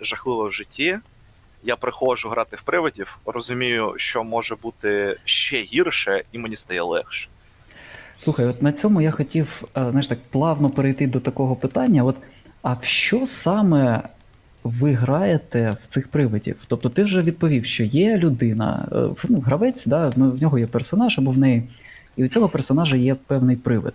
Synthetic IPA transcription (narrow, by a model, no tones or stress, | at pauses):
ʒɐxlˠɪʋɛwʒɪtʲʰːi | japɾɪxɔʒʊɦɾʔɑt̪ɪwpɾɪʋɐdʲiwrɔzʊmʲijʊʃt͡ʃɔmɔʒɛbut̪ɪʃt͡ʃɛɦʲirʃɛimenʲist̪ɐjɛlˠɛxʃɛ̥ | sˠuxɐjɔt̪nɐt͡sʲɔmʊjaxɔtʲiwzajʃt̪ɑk̚plˠɑwnɔpeɾejt̪ɪd̪ɔt̪ɐkɔɦɔpɪt̪ɑnʲːɐɔt̪ | ɐwʃt͡ʃɔsɑmɛ | ʋɪɦɾɑjet̪ɛw̥t̪sɪxpɾɪʋɪdʲḭwt̪ɔp̚t̪ɔt̪ɪwʒɛʋʲid̪̚pɔʋʲiwʃt͡ʃɔjɛlʲʊd̪ɪnɐ̰nuɦɾɐʋɛt͡sʲd̪ɑnwnʲɔɦɔjɛpersɔnɑʒɐbɔwnɛji | iʊt͡sʲɔɦɔpersɔnɑʒɐjɛpɛwnɪjpɾɪʋɪ̰d̪